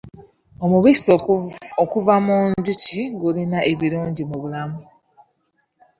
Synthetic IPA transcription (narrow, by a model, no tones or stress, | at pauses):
o̞muβis | okuvamuːɲɟuciɡulinaʔeβiluːɲɟimuβulamu